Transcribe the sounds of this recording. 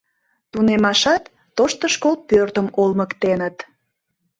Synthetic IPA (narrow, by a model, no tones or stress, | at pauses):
t̪unemɑʃɑt̪ːoʃt̪əʃkol̚pørt̪əmolməkt̪enət̪